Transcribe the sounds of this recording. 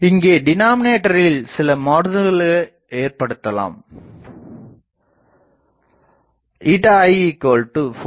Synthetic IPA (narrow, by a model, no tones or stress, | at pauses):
ɪŋɡeːɖɪnaːmɪneːʈːɐɾɪlsɪlɐmoːɾnɯɣɐɭ | eːɾpɐɽɯt̪ːɐla̰ːm | iːʈɐɐɪikoːlʈɯf